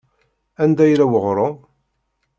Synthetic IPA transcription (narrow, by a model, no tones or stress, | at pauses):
ænd̪æjɾæwəʁɾˤo